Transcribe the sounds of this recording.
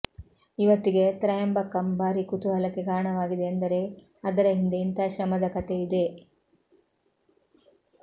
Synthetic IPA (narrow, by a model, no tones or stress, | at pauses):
iʋɐt̪ːiɡe̞t̪ɾɐːjɐmbɐkːɐmbaːɾikut̪uɦɐlɐkːeɡaːɾɳɐʋaːɡid̪eːnd̪ɐɾe̞ | ɐd̪ɐɾɐɦind̪eint̪aːʃɾɐmɐd̪ɐkɐt̪eid̪e̞